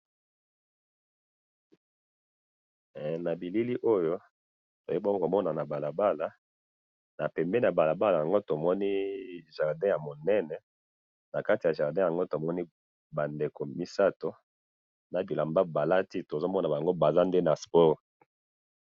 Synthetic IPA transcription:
na˨bi˨li˦li˦ʔo˦jo˦ | to˨je˦bo˦ɡo˦ko˨mɔ˦na˨na˨ba˨la˨ba˦la˨ | na˨pɛ˨mbɛ˦ni˦˨a˨ba˨la˨ba˦la˨ja˨ŋɡo˦to˨mɔ˦ni˦ʒa˨ʁdɛ̃˦ja˨mo˨nɛ˦nɛ˨ | na˨ka˦ti˨ja˨ʒa˨ʁdɛ̃˦ja˨ŋɡo˦to˨mɔ˦ni˦ | ba˨nde˨ko˨mi˦sa˦to˨ | na˨bi˨la˨mba˦ba˨la˦ti˦to˨zo˦mɔ˦na˨ba˨ŋɡo˦ba˨za˦nde˦na˨spɔ˦ʁ

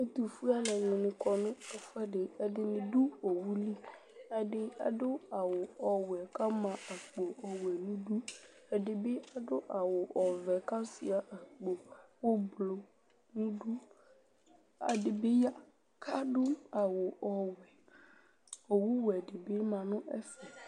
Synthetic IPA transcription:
e˦t̪u˨fu˦a˦lɛ˨ɲõ˨nɪ̃˨kɔ˨nʊ̃˦ɛ˨fɛ˦ɖe˨ɛ˨dɪ˨mĩ˨ɖu˦o˨wu˦li˦ | a˨ɖɪ˦a̰˨ɖʊ˦a˨wo˨ɔ˨wɛ˨ka˦mã˨a˨k͡po˨ɔ˨wɛ˨nũ˦ɖu˦ | ɛ˨ɖɪ˨be˦a˨ɖʊ˦ʔa˨wo˨ʔɔ˨vɛ˨ka˦si˨a˨ʔɛ˨k͡po˨wo˦blo˨ | nũ˦du˦ | a̰˨dɪ˨bɪ˦ja˦ | kʰa˦dʊ˦a˨wʊ˨ʔɔ˨wɛ˨ | o˨wu˦wɛ˨dɪ˨bɪ˦mã˨nʊ̃˦ʔɛ̰˦fɛ˨

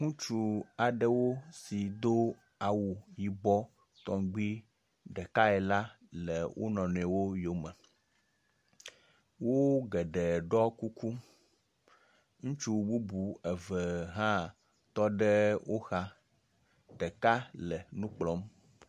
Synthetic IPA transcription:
ŋũ˦t͡ʃu˨a˨ɖə˦wo˦si˨d̪o˦ | a˨wu˨ji˨bɔ˦ | t̪ɔ˨ŋɡ͡bi˦ | ɖɛ˨ka˦ɛ˨la˦ | lə˨wʔo̰˦nɔ̃˨n˨ɛ˨wo˦jo˨˦mɛ˨ | wo˦ɡɛ˨ɖɛ˨ɖɔ˦ku˦kʰu˦ | ŋũ˦t͡ʃu˦bu˦bu˨e˨və˨ɦã˦ | t̪ɔ˦ɖɛ˦wʔo˦xa˦ | ɖɛ˨ka˦lə˨nũ˦k͡plɔ˦m

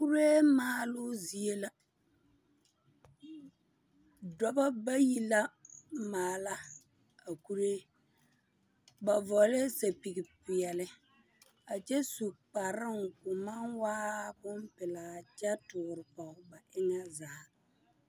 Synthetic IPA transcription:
ku˦ɾeː˦maː˨˦lʊ˦zi˨e˦la˨ | dɔ˦ba˦ba˦ji˦la˦maː˨la˦ | a˨ku˦ɾeː˦ | ba˨vɔ˨le˦sa˨pi˨ɡi˨pʊ˨jɛ˨lɪ˦ | a˨t͡ʃɛ˦su˨k͡pa˨ɾɪ˦ŋkʊ˨ma˦nwaː˦kʊ˦m˦pɪ˨laː˨t͡ʃɛ˦tʊ˨ɣʊ˨ɾɪ˨pɔ˨ʊ˦ba˨ʔɪ˦ŋa˦zaː˨˦

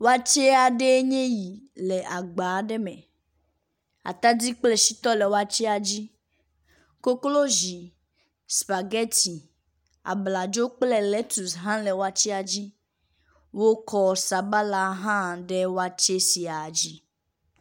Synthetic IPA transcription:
wa˦t͡ʃɛ˦a˨ɖe˦ɲẽ˦ji˨le˨ʔa˨ɡ͡ba˨ɖɛ˦mɛ̰̃˨ | a̰˨t̪a˦d͡zi˦k͡ple˦ʃi˦t̪ɔ˦lɛ˨wo˦a˦t͡ʃɛ˦a˨d͡ʑi˦ | ko˦klo˦ʒi˨ | spa˨ɡɛ˦ti˨ | a̰˨bla˨d͡ʒo˦k͡plɛ˦lɛ˦tu˨sɦã˦le˨wa˦t͡ʃi˦a˨d͡ʑi˦ | wo˦kɔ˦sa˨ba˦la˦ɦã˦˨ɖe˦wa˦t͡ʃe˦si˨a˨d͡ʑi˦

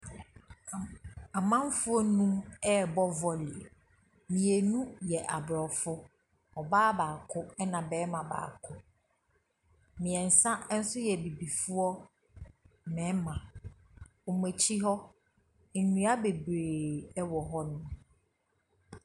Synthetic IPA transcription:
a˨mã˦m˦fʊ˦ɔ˦nũ˦mɛ˦˨bɔ˦vɔ˨lɪ˨ɛ˨ | mĩ˨ɛ˨nũ˦jɛ˨ʔa˨bɾɔ˨fʊ˦ | ɔ˨baː˦baː˨kʰʊ˦ɛ˦nã˨bɛː˨˦mã˨ba̰ː˨kʰʊ˦ | mĩ˨ɛ̃˨n̩˨sã˦n̩˦sʊ˦jɛ˨bi˨bi˨fʊ˦ɔ˦ | mɛ̃˨˦mã˨ | o˨m˨e˨t͡ɕʰi˦ɦɔ˦ | n̩˨nũ˨˦a˦be˨bɾe˨ɛ˦wɔ˨ɦɔ˦nʊ̃˦m

